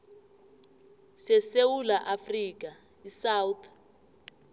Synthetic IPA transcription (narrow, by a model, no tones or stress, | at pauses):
sɛsewulaʔafriːk̬ʼa | isawt̪ʰ